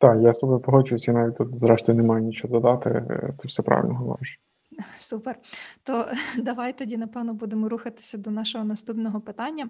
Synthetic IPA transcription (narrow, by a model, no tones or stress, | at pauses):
t̪ɑjast̪ɔbɛpɔɦɔt͡ʃʊjʊsʲinɑʋʲitʲt̪ɔt̪zɾɛʃt̪ɔjʊnemɑjʊnʲit͡ʃoɦɔd̪ɔd̪ɑt̪ɪ̰t̪sɛwsɛpɾɑ̰ʋḭlʲnɔɦɔʋɔ̰ɾɪʃ | supert̪ɔd̪ɐʋɑjt̪ɔdʲinɐpɛwnɔbud̪emɔɾuxɐt̪ɪ̥sʲɐd̪ɔnɑʃɔɦɔnɐst̪upnɔɦɔpɪt̪ɑnʲːɐ